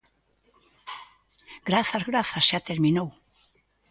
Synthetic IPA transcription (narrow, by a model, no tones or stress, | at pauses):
ɡ̥ɾaθaɾɣɾaθḁsjat̪ɪɾminow